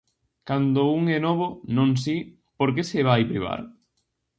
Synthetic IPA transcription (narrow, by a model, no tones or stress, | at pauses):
kand̪ouŋɛnɔβ̞onõŋsi | poɾk̬eseβ̞ajpɾiβ̞a̰ɾ